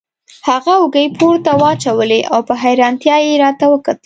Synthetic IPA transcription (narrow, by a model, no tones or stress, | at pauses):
haɣaʊɡəjpʰoɾt̪awɑt͡ʃawəleʔa̰wpəɦajɾɑnt̪jɑjeɾɑt̪awəkat̪ə